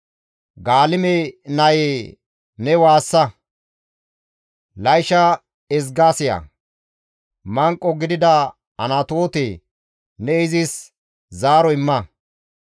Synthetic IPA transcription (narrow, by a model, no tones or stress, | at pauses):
ɡaːlɪmenɐje | nɛwaːsːɐ | lɐjʃɐ | ɛzɡaːsɪjɐ̰ | mɐŋkʼːɔɡɪd̪ɪd̪ɐ | ɐ̰nɐt̪o̞ːt̪eː | nɛɪzɪs | zaːɾɔɪmːɐ